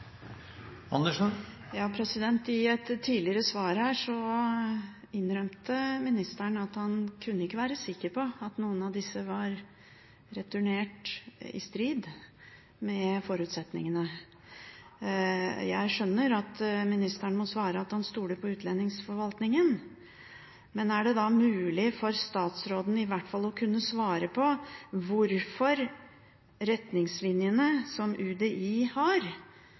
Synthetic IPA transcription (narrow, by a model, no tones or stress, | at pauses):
ɑ̰nəʂɔn | jɑːpʰɾɛsɪd̪ɛnt̪ɪɛt̪ʰːiːlɪəɾəsʋɑːɾhæːʂɔ | ɪnɾœmt̪əmɪnɪst̪æɳɑt̪hɑnkʰʉnːəɪkːəʋæːɾəsɪkːəɾpʰɔɑt̪nuːənɑʋd̪ɪsːəʋɑɾ | ɾɛt̪ʰʉɳeːʈɪ̰st̪ɾiːd̪ | mɛfɔɾʉːt̪sɛt̪nɪ̰ŋənə | jæ̰ɪʂœnːəɾɑt̪mɪnɪst̪əɳmɔsʋɑːɾəɑt̪ɑnst̪uːɖəpʰɔʉːt̪ʰlɛnːɪŋsfɔɾʋɑlt̪nɪŋən | mɛnæɖɛd̪ɑmʉːlɪfɔɾst̪ɑːt̪sɾoːd̪n̩ɪʋæʈːfɑlɔkʰʉnːəsʋɑːɾəpʰɔʋʊɾfɔɾ | ɾɛt̪nɪŋslɪnjənəsɔmʔʉd̪eʔiːhɑɾ